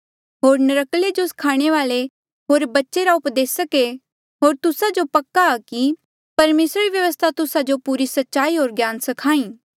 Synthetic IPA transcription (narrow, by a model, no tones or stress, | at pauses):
ɦoːɾnɐɾəkled͡ʒoskʰaːɽ̃eʋaːle | ɦoːɾbɐtːʃeɾaʊpd̪eːsɐke | ɦoːɾt̪ʊsad͡ʒopɐkːaki | pɐɾmeːsɾaɾiʋjɐʋəst̪ʰat̪ʊsad͡ʒopuːɾisɐtːʃaːiɦoːɾɡjaːnsɐkʰaːĩː